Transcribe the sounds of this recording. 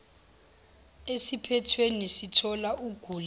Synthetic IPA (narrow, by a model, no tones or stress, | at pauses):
esipʰɛtʰwenisitʰɔlaʔuɡ̥ʱuːl